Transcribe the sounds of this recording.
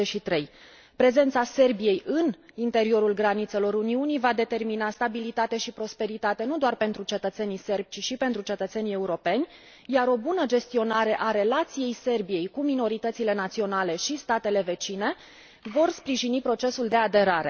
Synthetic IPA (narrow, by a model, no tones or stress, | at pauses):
eʃit̪ɾe̞j | pɾe̞ze̞nt̪sase̞rbije̞jʔɨnint̪e̞ɾio̞ɾulɡɾanit̪se̞lo̞ɾuniunijvad̪e̞t̪e̞rminast̪abilit̪at̪e̞ʃipɾo̞spe̞ɾit̪at̪e̞nud̪oarpe̞nt̪ɾut͡ʃe̞t̪ət̪se̞nise̞rb̥̚ʲt͡ʃiʃipe̞nt̪ɾut͡ʃe̞t̪ət̪se̞nʲie̞uɾo̞pe̞nʲ | jaɾo̞bunəd͡ʒe̞st̪io̞naɾe̞ʔaɾe̞lat̪sije̞jse̞rbije̞jkumino̞ɾit̪ət̪sile̞nat̪sio̞nale̞ʃist̪at̪e̞le̞ve̞t͡ʃine̞ | vo̞rspɾiʒinipɾo̞t͡ʃe̞suld̪e̞ad̪e̞ɾaɾḛ